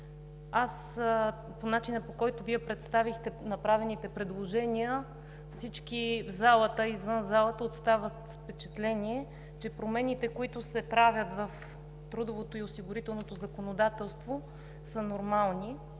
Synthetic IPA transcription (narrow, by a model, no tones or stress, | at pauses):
as | ponat͡ʃinəpokɔjt̪ʊviɛpɾɛt̪st̪avixt̪ɛnɐpɾavɛnit̪ɛpɾɛd̪lˠoʒɛniə | fsit͡ʃkizalˠət̪əizvɤnzalˠət̪əot̪st̪avət̪spɛt͡ʃɛt̪lɛniɛ | t͡ʃɛpɾomɛnit̪ɛkoit̪ʊsɛpɾavʲjət̪vəf | t̪ɾud̪ovot̪oiosiɡʊɾit̪ɛlˠnot̪ozɐkonod̪at̪ɛlˠst̪vo | sənoɾmalˠni